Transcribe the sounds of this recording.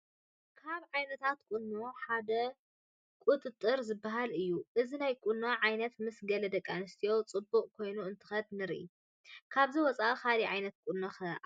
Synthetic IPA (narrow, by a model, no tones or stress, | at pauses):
kʰaβʕajnɐt̪ʰat̪̚kʼʊnːoħad̪ɐ | kʼut̪ʼɨt̪ʼːɨɾzɨbːaɦalɨjːuʔɨzinajkʼʊnːoʕajnɐt̪mɨsɡɐlɐd̪ɐkʼːanɨst̪ʰijo̞wt͡sʼɨbːuʔʼkʰo̞jnuɨnt̪ʰɨ̥xɐd̪nɨɾʔḭ | kʰaβziwɔt͡sʼaxaliʕajnɐt̪̚kʼʊnːɐxɐ